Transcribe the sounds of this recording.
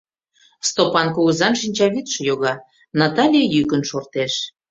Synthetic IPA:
st̪opɑnkuɣəzɑnʃinʲt͡ɕɑβit̪ʃɤ̆joɣɑ | nɑt̪ɑlʲijejykənʃort̪eʃ

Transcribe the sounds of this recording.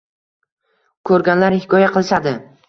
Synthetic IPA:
kʰɵɾɡʲanlaɾhɪkʰɒjaqʰɨlˠsad̪ɪ

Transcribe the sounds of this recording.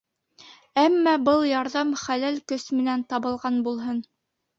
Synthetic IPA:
æmːɑbɤlˠjɑɾðɑmχælælkɵsmɘ̆nænt̪ɑβɤ̆lˠʁɑnbulˠɦɤn

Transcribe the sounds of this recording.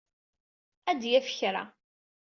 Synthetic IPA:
æd̪jæfə̥çɾa̰

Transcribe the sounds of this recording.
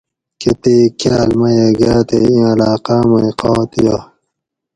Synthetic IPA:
ket̪eːkʰjaːlmɐjeɡaːt̪eĩɐlaːqaːmɐiqoːt̪ija

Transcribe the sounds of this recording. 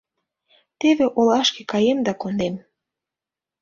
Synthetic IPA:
t̪eβeʔolɑʃkekɑjemd̪ɑkond̪em

